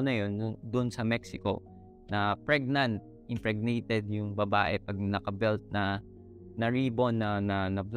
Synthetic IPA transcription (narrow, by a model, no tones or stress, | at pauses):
nɐjonʊd̪ʔnsɐmɛksɪko̞̰ | nɐpɹɛɡ̚nant̪̚ | ʔɪmpɹɛɡ̚nɛjt̪ɛd̪̚jʊŋbɐbaːʔɛpɐɡ̚nɐkɐbɛlt̪̚nɐ | nɐɹiːbo̞nːɐnɐnɐbl